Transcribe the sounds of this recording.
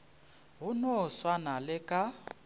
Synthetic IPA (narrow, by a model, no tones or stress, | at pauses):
ɦʊnoswanalɪkʼa